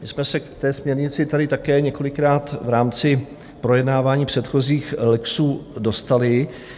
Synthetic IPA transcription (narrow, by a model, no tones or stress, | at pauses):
mɪsmɛsɛkt̪ɛːsmɲɛɾɲɪt͡sɪt̪adɪt̪akɛːɲɛko̞lɪkɾaːt̪vɾaːmt͡sɪ | pɾo̞jɛdnaːvaːɲiːpr̝̥ɛt̪xo̞ziːxlɛksuːdo̞st̪alɪ